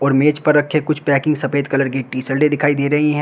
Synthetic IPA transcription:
ɔːɾmeːt͡ʃpɐɾːɐkʰːekʊt͡ʃʰpɛːkɪ̃ŋɡsɐpeːd̪kɐləɾɡeʈːiːsɐlɖed̪ɪkʰaːid̪eːɾɐɦiɦɛ̃ː

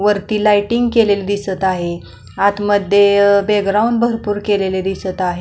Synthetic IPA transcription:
ʋəɾt̪iːlajʈiŋɡkelelid̪isət̪aɦe | at̪məd̪ʱːjebeɡɾawɳɖbʱəɾpuːɾkeleled̪isət̪aɦe

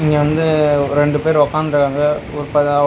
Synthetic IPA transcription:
ɪŋɡeʋɐnd̪ɯɾɛɳɖɯpeːɾʋɐkːaːnd̪ɾɯkːaːŋɡɐɔɾɯpɐɐ

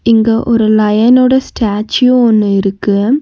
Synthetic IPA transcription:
iŋɡɐʔoɾulɐjɐnoːɽestʰaːt͡ɕːioonːɐiɾukːuɣɐ

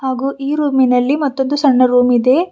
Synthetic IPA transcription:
haːɡuːʔiːɾuːminɐlːimɐt̪ːo̞nd̪usɐɳːɐɾuːmid̪e̞ː

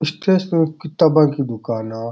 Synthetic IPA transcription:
ɪsʈesẽkit̪ɐbãŋkid̪ʊkaːnaː

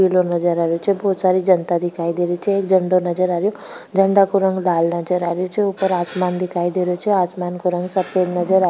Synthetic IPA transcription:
ilonʌd͡zəɾaɾjot͡sʰʌbʌɦud̪saɾid͡ʒʌnt̪ad̪ikʰajd̪iɾit͡sʰiekd͡zʌɳɖonʌd͡zəɾaɾjod͡zʌɳɖakoɾʌŋɡlalnʌd͡zəɾaɾjot͡ʃʰʌupəɾasmand̪ikʰajd̪eɾjot͡ʃʰiasmankoɾʌŋɡsʌped̪nʌd͡zəɾa

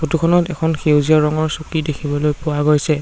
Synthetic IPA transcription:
botukʰɔnɔtɛkʰɔnxewziaɹɔŋɔɹsukidekʰibɔlojpʊwaɡojsɛ

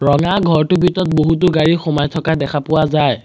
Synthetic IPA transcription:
ɹɔŋaɡʱɔɹtʊbitɔt̚boɦutʊɡaɹixɔmajtʰɔkadɛkʰapʊwazaj

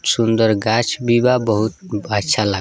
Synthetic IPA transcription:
sund̪əɾɡat͡ʃʰbibabəɦut̪at͡ʃʰala

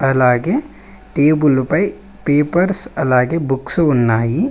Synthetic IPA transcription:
ɐlaːɡe | ʈeːbʊlʊpai | peːpəɾsɐlaːɡebʊksʊnːaːi

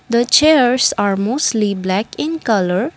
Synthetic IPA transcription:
d̪ət͡ʃeɾsaɾmoːstʈliblækɪ̃nkʌləɾ

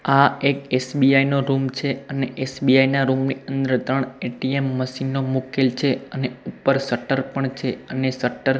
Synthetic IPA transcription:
aekesbiainoɾumt͡ʃʰeəneʔesbiainaɾumniənd̪ɾəɾt̪ɾəɳeʈiemːəʃinːomukelt͡ʃʰeəneupəɾsəʈəɾpəɳt͡ʃʰeənesəʈəɾ

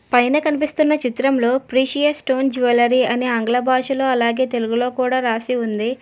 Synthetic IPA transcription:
pɐjnɐkɐnipist̪unːɐt͡ʃit̪ɾɐmlo̞ːpɾiːʃijɐsʈo̞ːnd͡ʒuʋɐlɐɾiɐneːɐŋɡlɐbʱaːʃulo̞ːɐlaːɡe̞ːt̪e̞luɡulo̞ːkuːɽaːɾaːsiund̪i

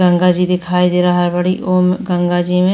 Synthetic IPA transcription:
ə̃ŋɡad͡ʒid̪ɪkʰaːid̪eːɾaɦəɾbəɽiʔoːmɡə̃ŋɡad͡ʒiːmẽ

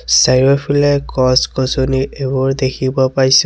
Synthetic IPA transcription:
sajɹɔpʰilɛkɔskɔsɔniɹebɔɹd̪ekʰibɔpaɹis

